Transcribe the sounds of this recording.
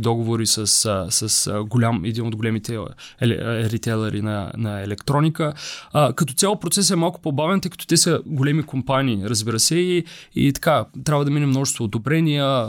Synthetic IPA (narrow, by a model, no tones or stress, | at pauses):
d̪ɔɡovoɾisəsəsəsɡolʲamɛd̪inod̪ɡolɛmit̪ɛɛɛ̰ɾit̪ɛlˠɐɾḭnɐ̰nɐɛlɛkt̪ɾɔnikəkɐt̪ɔt̪sʲalˠpɾot̪sɛs̬ɛmalˠkʊ̥pobavɛnt̪əjkə̥t̪ɔ̥t̪ɛsəɡolɛmikompaniːɾəzbiɾəsɛiḭt̪ɐ̥kat̪ɾʲabvəd̪ɐminɛmnɔʒɛst̪voːd̪obɾɛnijə